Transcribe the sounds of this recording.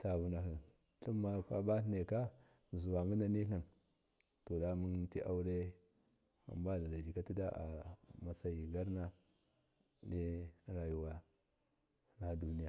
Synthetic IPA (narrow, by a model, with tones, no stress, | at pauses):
ta˨vu˨na˨ɦi˨n | ɬu˦mːa˨pa˦ba˦tne˨ka˦ | zu˨wa˨mi˦na˦ni˦ka˨n | to˨da˦mu˦nti˦ʔa̰˦wu˦ɾe˦ | a̰˨mba˦˨da˨da˨d͡ʒi˨ka˦ti˦da˦ʔa̰˨ma˨sa˨ji˨ɡa˦ɾna˦ | di˦ɾa˨ju˨wa˦ | na˦du˦ni˦ja˨